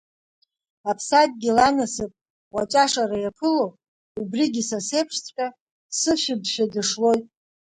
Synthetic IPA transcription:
apʰsad̚ʼɡʲilanasɨpʼ | wat͡ʃʼaʂarajapʰɨlow | ubriɡʲisasejpʰʂt͡sʰʼkʼa | sɨʃɪbʃᶣadɨʂlo̞jtʼ

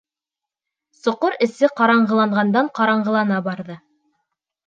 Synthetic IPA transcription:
sŏqoɾɘ̆sɘqɑɾɑɴɢɤ̆lˠɑɴʁɑnd̪ɑɴqɑɾɑɴʁɤ̆lˠɑnɑbɑɾðɤ

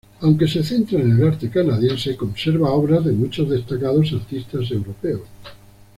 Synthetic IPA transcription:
awŋke̞se̞θent̪ɾaenelaɾt̪ekanaðjensekõ̞nseɾβaoβɾazðemut͡ʃozðest̪akað̞os̬aɾt̪ist̪as̬e̞wɾopeos

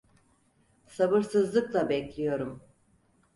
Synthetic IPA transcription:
sabɯɾsɯzlˠɯklˠabɛclʲijo̞ɾum

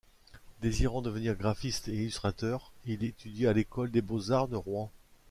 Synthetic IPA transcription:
d̪eziʁɑ̃d̪əvəniʁɡʁafist̪eilyst̪χat̪œʁilet̪yd̪jealekɔld̪ebozaʁd̪əʁwɛ̃

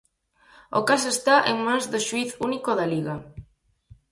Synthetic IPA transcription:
o̰kas̬est̪aʔeŋmãnzðoʃwiθunikoðaliɣa

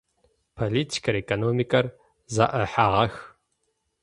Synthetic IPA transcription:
pʰoliːtʰi̥kʰɐɾekʼonoːmikʼɐr | za̰ʔɐħaʁɐx

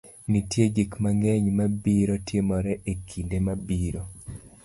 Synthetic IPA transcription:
nitjeɡikmaŋɡeɲmabiɾotjemɔɾɛʔekʰindemabiɾo

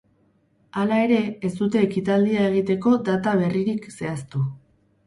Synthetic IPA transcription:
alae̞ɾe̞ːzd̪ut̪e̞ːkit̪ald̪iae̞ɣ̞it̪e̞ko̞d̪at̪aβe̞riɾikse̞ast̪u

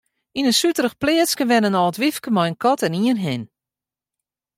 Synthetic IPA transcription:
inənsytəɾəxplɪəskəʋɛnənɔːtʋifkəmɔjənkɔtɛniənɦɪn

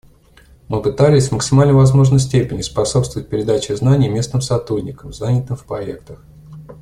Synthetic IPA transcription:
mɨpɨt̪alʲɪsʲvməksʲɪmalʲnəjvɐzmo̞ʐnəjsʲtʲepʲɪnʲɪspɐso̞pst̪vəvət̚ʲpʲɪɾʲɪd̪at͡ɕɪznanʲɪjəmʲe̞snɨmsɐt̪ɾudʲnʲɪkəmzanʲɪt̪ɨmfpɾɐek̚t̪əx

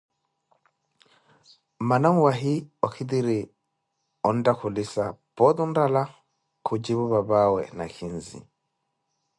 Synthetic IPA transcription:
manaŋwaɦiɔkʰidiɾi | ɔndakʰulisab̥ɔðundala | kʰud͡ʒiβuβaβawɛ̰na̰kʰinzḭ

